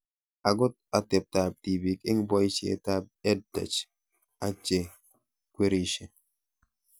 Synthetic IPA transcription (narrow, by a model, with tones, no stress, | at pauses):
a˨ɡʊ˦t̚a˨tɪ˨p̚ta˨b̚ti˨bi˨kɪ˦ŋbɔ˦jt͡ʃḛ˦ta˦b̚ɛ˦d̚dɛ̰˨t͡ʃ | a˨t͡ʃe˨ | kwe˦ɾi˦ʃe˨